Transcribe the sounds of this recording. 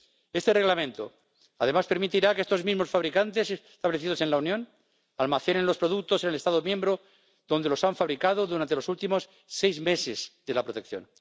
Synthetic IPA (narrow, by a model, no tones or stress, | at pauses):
e̞st̪ere̞ɣlamẽ̞nt̪o | aðe̞maspe̞ɾmit̪iɾakeest̪o̞zmizmo̞sfaβɾikant̪ese̞sst̪aβle̞θiðo̞se̞nlaunjõ̞n | almaθenenlo̞spɾo̞ðuk̚t̪osenelest̪aðomjembɾo | ðo̞nd̪e̞lo̞saɱfaβɾikað̞oðuɾant̪e̞lo̞sult̪imo̞sː | e̞jzmesezðe̞lapɾo̞t̪e̞kθjo̞̰n